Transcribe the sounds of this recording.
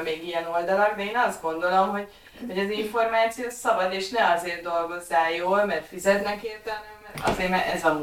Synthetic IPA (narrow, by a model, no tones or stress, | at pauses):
meːɡijɛnold̪ɒlɒɡd̪ɛeːnɒzd̪ɡo̞nd̪o̞lo̞mɦo̞ɟ | ho̞ɟɒziɱfo̞rmaːt̪sijoːsɒbɒd̪eːʃnɛɒzeːrd̪o̞lɡo̞zːaːjoːlmɛrfizɛt̪nɛkeːrt̪ɛlɛmɛrɒ̰zeːɾmɛɛzɒm